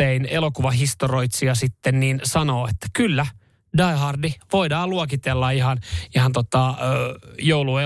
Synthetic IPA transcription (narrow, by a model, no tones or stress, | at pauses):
einelokuʋɑɦist̪oro̞it̪siɑsit̪ːenniːnsɑno̞ːet̪ːæ̥kylːæ | dɑiɦɑrdiʋoidɑːluokit̪elːɑiɦɑnihɑnt̪ot̪ɑøjoulue